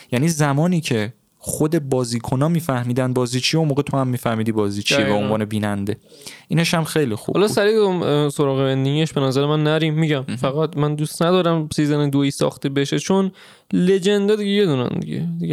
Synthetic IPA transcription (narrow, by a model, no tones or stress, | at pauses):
jæniːzæmɒːniːcʰe̞ | χod̪e̞bɒːziːkʰo̞nɒːmiːfæhmiːd̪ænd̪̚bɒːziːt͡ʃʰijunmoːɣet̪ʰohæmːiːfæhmiːd̪ibɒːziːt͡ʃʰiebeonvɒːne̞biːnænd̪e̞ | ʔiːneʃæmxejlixṵbhɒlɒsæɾiːd̪mso̞ɾɒːɣebend̪iɡieʃb̥e̞næzæɾemænːæɾimːiɟæmfæɣæt̪mænd̪uːst̪næd̪ɒːɾæmsiːzæned̪oiːsɒ̰ːxt̪ebe̞ʃe̞t͡ʃʰon | le̞d͡ʒe̞nd̪ɒd̪iɟeje̞d̪uːnæ̰nd̪ḭɟḛd̪iɡe